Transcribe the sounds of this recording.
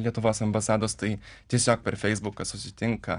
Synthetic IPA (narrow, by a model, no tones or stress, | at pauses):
lʲiɛt̪ʊʋoːsɐmbɐsɑːd̪oːst̪ɐɪt̪ʲiɛsʲoːk̚pʲɛɾfʲɛɪzbʊkɐsʊsʲɪt̪ʲɪŋkɐ